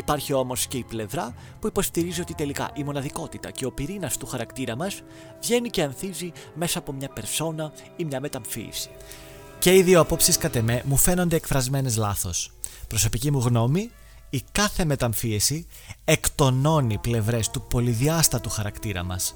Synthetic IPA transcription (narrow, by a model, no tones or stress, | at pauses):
ipɐɾçio̞mo̞sce̞iple̞vɾɐ | puipo̞st̪iɾizio̞t̪it̪e̞likɐ̰ʔimo̞nɐðiko̞t̪it̪ɐ̰ce̞o̞piɾinɐst̪uxɐɾɐkt̪iɾɐmɐs | vʝe̞nice̞ɐnθizi | me̞sɐːpo̞mɲɐpe̞ɾso̞nɐ | imɲɐme̞t̪ɐɱfḭḭsi̥ | ce̞iðioɐpo̞psiskɐt̪e̞me̞mufe̞no̞nd̪e̞ːkfɾɐzme̞nezlɐθo̞spɾo̞so̞picimuɣno̞miː | ikɐθe̞me̞t̪ɐɱfiesi | e̞kt̪o̞no̞niple̞vɾe̞st̪upo̞liðiɐst̪ɐt̪uxɐɾɐkt̪iɾɐ̰mɐ̰s